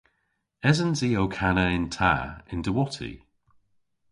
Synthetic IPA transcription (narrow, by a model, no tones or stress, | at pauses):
ɛzənziːowkʰanəɪntʰa̰ɪ̰ndəwɔtʰḭ